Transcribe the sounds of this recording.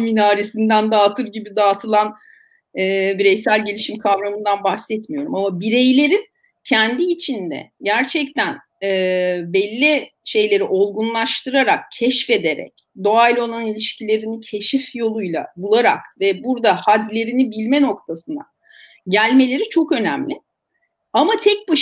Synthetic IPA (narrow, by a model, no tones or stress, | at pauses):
minaːɾisind̪ænd̪aːt̪ʰɯɾɟibid̪aːt̪ʰɯlˠan | ɛːbiɾɛjsælʲɟe̞lʲiʃimkʰavɾamɯnd̪anbaxsɛt̪mijo̞ɾumamabiɾe̞jlʲe̞ɾin | cʰɛnd̪iːt͡ʃʰind̪ɛ̰ɟæɾt͡ʃʰɛct̪ʰæn | ɛːbɛlʲːiʃe̞jlʲe̞ɾiʔo̞lˠɡunlˠaʃt̪ɯɾaɾakcʰɛʃfe̞d̪e̞ɾɛ̰c̚ | d̪o̞alʲo̞nˠannilʲiʃcilʲe̞ɾinicʰe̞ʃifjo̞lˠujlˠa̰bulˠaɾa̰kvɛbuɾd̪ahad̪lʲe̞ɾinibilʲmɛno̞kt̪ʰasɯna̰ | ɟælʲme̞lʲe̞ɾit͡ʃʰo̞kø̞næmlʲɪ | amat̪ʰɛc̚ba